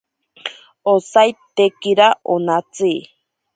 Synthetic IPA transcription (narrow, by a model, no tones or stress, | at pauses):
osajt̪ekiɾaʔonat͡sɨː